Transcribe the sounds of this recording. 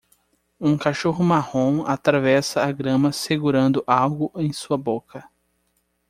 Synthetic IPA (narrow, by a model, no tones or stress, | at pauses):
ũkaʃoɦʊmahõat̪ɾavɛsɐːɡɾɐ̃mɐseɡuɾɐ̃nd̪ʊʔawɡʊʔẽj̃suɐbokɐ